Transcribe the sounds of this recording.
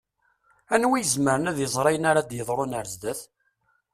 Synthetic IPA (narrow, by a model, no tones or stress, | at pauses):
ænwijəzməɾənæðjəzˤɾˤɑjənaɾad̪jəðˤɾˤonəɾzd̪æθ